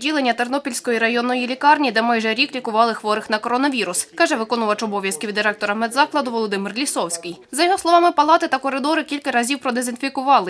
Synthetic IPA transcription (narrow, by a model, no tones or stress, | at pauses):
dʲilˠenʲːɐt̪ernɔpʲilʲsʲkɔjiɾɐjɔnːɔjilʲikɑrnʲid̪ɛmɑjʒɛɾʲiklʲikʊʋɑlˠɪxʋɔɾɪxnɐkɔɾɔnɐʋʲiɾʊskɑʒɛʋɪkɔnʊʋɐt͡ʃɔbɔʋʲjɐskɪʋʲd̪ːɪɾɛk̚t̪ɔɾɐmɛd̪zɑklˠɐd̪ʊʋɔlˠɔd̪ɪmɪrlʲisɔwsʲkɪjzɐjɔɦɔslˠɔʋɑmɪpɐlˠɑt̪ɪt̪ɐkɔɾɪd̪ɔɾɪkʲilʲkɐɾɐzʲiwpɾɔd̪ezɪnfʲikʊʋɑlˠɪ